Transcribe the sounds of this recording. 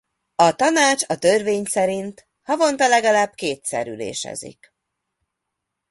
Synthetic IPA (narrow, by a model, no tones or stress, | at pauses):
ɒt̪ɒnaːt͡ʃɒt̪ørveːɲsɛɾint̪ | hɒvo̞nt̪ɒlɛɡɒlaːbkeːt̪sɛ̰ɾylḛːʃɛ̰zḭk